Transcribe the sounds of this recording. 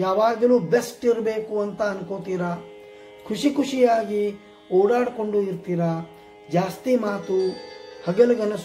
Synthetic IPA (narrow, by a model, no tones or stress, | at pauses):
jaːʋaːɡɐluːbesʈiɾbeːkuɐnt̪ɐːnkoːt̪iːɾɐ | kʰuʂikuʂijaːɡi | ɔːɽaːɽko̞ɳɖuiɾt̪iːɾɐ | d͡ʒaːst̪imaːt̪uhɐɡɐlɐɡɐnɐs